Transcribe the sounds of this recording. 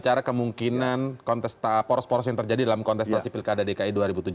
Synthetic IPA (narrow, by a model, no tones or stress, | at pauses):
t͡ʃaɾakəmuŋkinankɔnt̪ɛst̪apɔɾɔspɔɾɔsjaŋt̪ərd͡ʒadidalamkɔnt̪ɛst̪asipilkadadekaiduaɾibut̪ud͡ʒu